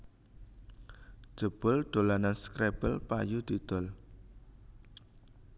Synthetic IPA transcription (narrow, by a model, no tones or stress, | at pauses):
ʒ̥ə̤b̥ʊlɖ̪̥o̤lananskɾeb̥əlpa̰jud̪̥i̤d̪̥ɔl